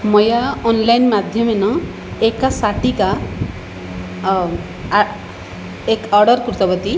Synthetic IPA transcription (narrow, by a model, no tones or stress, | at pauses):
mɔjaɔnlajnmad̪ʱjɔmenɔ | ekasaʈika | ekɔɾɖɔɾkɾut̪ɔbɔt̪i